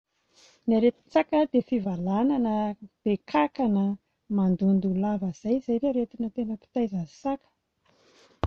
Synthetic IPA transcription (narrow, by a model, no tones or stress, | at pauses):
naɾet̪i̥t͡sakəd̪efivalananəb̥ekʰakanə | mand̪und̪ulavəz̥ajizajɾeɾet̪inət̪enəpi̥t̪ajzasakə̥